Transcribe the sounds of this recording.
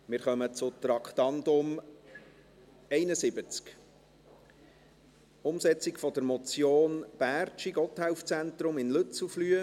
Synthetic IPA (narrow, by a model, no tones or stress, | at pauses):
mɪɾχœmət͡sʊt̪ɾɑkχt̪ɑnd̪ʊm | ɛɪnəsɪbət͡sk | ʊmsɛt͡sɪkfɔd̪əɾmɔt͡sjoːnb̥æːrt͡ʃiɡɔt̪haʊft͡sænt̪ɾʊmɪnlʏt͡suflyːə